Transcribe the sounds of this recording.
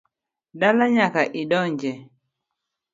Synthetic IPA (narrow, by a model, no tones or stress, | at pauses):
ɗalaɲakaʔiɗɔɲd͡ʒɛ